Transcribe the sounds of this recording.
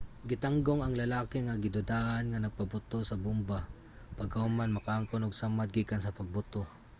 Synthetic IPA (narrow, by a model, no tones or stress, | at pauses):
ɡɪt̪aŋɡoŋɐŋlɐlaːkɪŋɐɡɪd̪ʊd̪aːʔɐnŋɐnɐɡ̚pɐbʊt̪o̞sɐbʊmba | pɐɡɐhʊmanmɐkaŋkonoɡsamat̪̚ɡiːkɐnsɐpɐɡ̚bʊt̪o